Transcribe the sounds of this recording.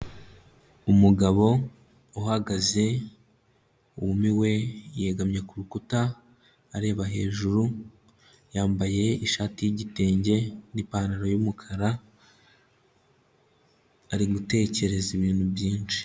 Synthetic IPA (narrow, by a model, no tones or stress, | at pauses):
umuɡaβo̞ | uhaɡaze̞ | uwumiwe̞je̞ɡamɲe̞kuɾukutaː | ɾe̞ːβaɦe̞ːʒuɾu | jaːmbaje̞iʃaːtijiɟite̞ːɲɟe̞nipaːnaɾojumukʰaɾa | ɾiɡute̞ːce̞ɾe̞ziβiːnhubjiːnt͡ʃi̥